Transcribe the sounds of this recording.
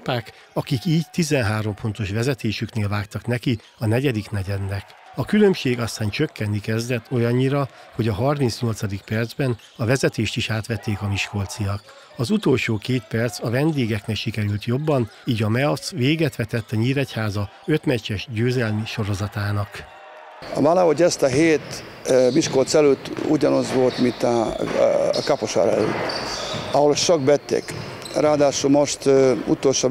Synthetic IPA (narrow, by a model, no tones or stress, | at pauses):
paːk | ɒkikiːɟt̪izɛnɦaːɾo̞mfo̞nt̪o̞ʃʋɛzɛt̪eːʃykneːlvaːkt̪ɒknɛki | ɒnɛɟɛd̪iknɛɟɛd̪nːɛkɒkylø̞mʃeːɡɒst̪aːnt͡ʃøkːɛnːikɛzd̪ɛt̪ʰːo̞jɒɲːiɾɒho̞ɟɒɦɒrmint̪sɲo̞lt̪sɒd̪ik̚pɛrd̪zbɛn | ɒvɛzɛt̪eːʃt̪iʃaːt̪ʋɛt̪ːeːkɒmiʃko̞lt̪sijɒk | ɒzut̪o̞lʃoːkeːt̪pɛrt̪sɒvɛnd̪eːɡɛkneːʃikɛɾylt̪jo̞bːɒniːɟɒmɛlsʋeːɡɛt̪ʋɛt̪ɛt̪ːɛɲiːɾɛchaːzɒ | ø̞t̪mɛct͡ʃːɛʃɟøːzɛlmiʃo̞ɾo̞zɒt̪aːnɒk | valaɦoɟɛst̪ɒɦeːt̪ | miʃko̞lt̪sɛløt̪ːṵɟɒnozʋo̞lt̪mint̪ɒ | kapoʃa̰ːɾɛ̰lø̰t̪ːɒɦolt͡ʃoɡbɛt̪ːḛk | ɾaːd̪aːʃulmoʃt̪ṵt̪olʃo